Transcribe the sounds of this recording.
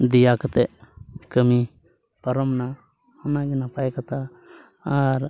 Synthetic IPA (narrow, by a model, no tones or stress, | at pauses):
d̪ijakat̪ɛʔkəmi | pəɾɔmna | hɔnaɡɛnapajkat̪aː | ɾ